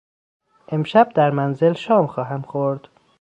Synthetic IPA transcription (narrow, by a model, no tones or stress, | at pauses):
ʔe̞mʃæb̚d̪æɾmænzelʃɒːmxɒːɦæmxoɾd̪̥